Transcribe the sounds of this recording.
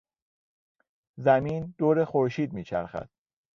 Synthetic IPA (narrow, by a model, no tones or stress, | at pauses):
zæmiːnd̪̥oːɾexoɾʃiːd̪miːt͡ʃʰæ̰ɾxæ̰d̪̥̚